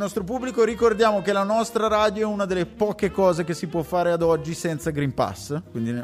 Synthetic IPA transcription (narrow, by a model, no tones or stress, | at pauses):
nɔst̪ɾop̬ubːlikoɾikord̪jaːmokelanɔst̪ɾaɾaːd̪joɛunad̪elːepɔːkekɔːzekesipwɔfːaːɾead̪ɔd͡ʒːisɛnt̪saɡɾimpa̰skwind̪i